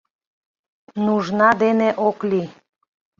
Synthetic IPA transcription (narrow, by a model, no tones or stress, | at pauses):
nuʒnɑd̪eneʔokli